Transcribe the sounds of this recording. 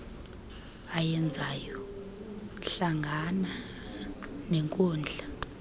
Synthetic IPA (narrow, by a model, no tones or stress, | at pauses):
ajɛnd͡zʱajɔ | ɬaŋɡʱana | nɛŋkʼɔːnd͡ɮʱa